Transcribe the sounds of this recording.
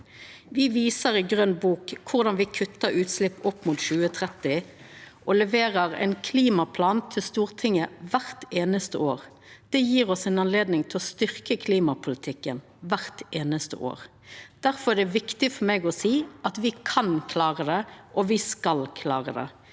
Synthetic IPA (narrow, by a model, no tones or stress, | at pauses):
ʋɪʋiːsəʁɪɡʁœnbuːkʰːʊʁd̪ɑnʋɪkʰʉt̪ːəɾʉːt̪slɪpːɔpːmuːt̪ʃʉːət̪ʰʁɛt̪ːɪ | ʔɔlɛʋeːʁəʁɛ̰ɪnkʰliːmɑpʰlɑːnt̪ʰɪlst̪uːʁt̪ʰɪŋəʋæʁt̪eːnəst̪əoːʁ | d̪̥ɛjiːʁɔsɛnɑnleːd̪nɪŋt̪ʰɪlɔst̪ʏʁkəkʰliːmɑpʰʊlɪt̪ʰɪkːən | ʋæʁt̪eːnəst̪ə̰ʔo̰ːʁ | d̪̥æʁfɔʁæd̪ɛʋɪkt̪ɪfɔmɛɡɔsiːʔɑt̪ʋɪkʰɑnkʰlɑːʁəd̪ɛʔɔʋɪskɑlkʰlɑːʁəd̪ɛ̰